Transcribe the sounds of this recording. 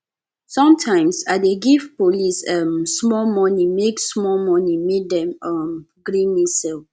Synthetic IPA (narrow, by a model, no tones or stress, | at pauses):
sɔ̃mtʰãɪ̃msadeɡifpolisɛmsmɔlmɔnimeksmɔlmɔnimek̚dɛ̃mɔm | ɡɾĩnisɛl